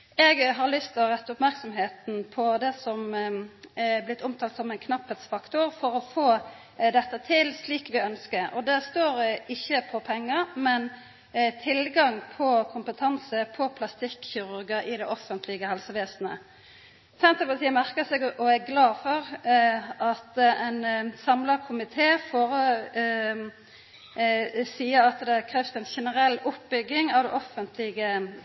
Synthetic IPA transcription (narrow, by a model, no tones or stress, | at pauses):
ɛɡɦɑɾlʏst̪ɪlɾɛt̪ːəʊpmæɾksɔmɦeːt̪n̩pʰɔd̪ɛsɔm | blɪt̪ʰːʊmt̪ʰɑːlt̪sɔmɛnkʰnɑphət̪sfɑkt̪ʊɾfɔɾɔfoː | d̪ɛt̪ːət̪ʰɪlsliːkʋɪœnskəɾʔɔd̪æst̪oːɾɪçːəpʰɔpʰɛŋːəɾmɛn | t̪ʰɪlɡɑŋpʰɔkʰʊmpət̪ʰɑnsəpʰɔpʰlɑst̪ɪkçɪɾʉɾɡəʔɪd̪ɛʔɔfːənt̪ʰlɪɡəhɛlsəʋeːsnə̰ | sænt̪əpɑt̪ʰiːmæʁkəsɛɡʔɔæɡlɑːfɔɾ | ʔɑt̪ɛɪnsɑmləkʰʊmɪt̪ʰeːfɔɾɔ | siːəɾɑt̪d̪ɛkʰɾɛːfsɛnʃɛnəɾɛlːʊpbʏɡːɪŋɑʋd̪ɛʔɔfənt̪ʰlɪɡə